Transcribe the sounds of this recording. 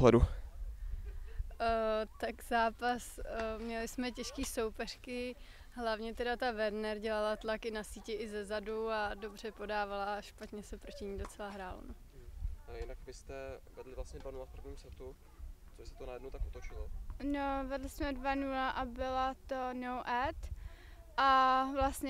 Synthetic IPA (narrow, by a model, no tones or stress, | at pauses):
oɦlɛdu | t̪akzaːpasmɲɛlɪsmɛcɛʃkiːso̞wpɛr̥kɪ | ɦlavɲɛt̪ɛdat̪avɛɾnɛɾɟɛlalat̪lakɪnasiːcɛʔɪzɛzaduado̞br̝ɛpo̞daːvalaʃpat̪ɲɛsɛpɾo̞cɪɲiːdot͡sɛlaɦɾaːlo̰nu | jɪnakvɪst̪ɛvɛdlɪvlasɲɛdvanulafpɾavɲiːmsɛt̪u | t͡sobɪst̪ɛ̥t̪onajɛdnowt̪akʔut̪ot͡ʃɪlonovɛdlɪsmɛdvanulaʔabɪlat̪onowʔɛt̪ | ʔavlast̪ɲɛ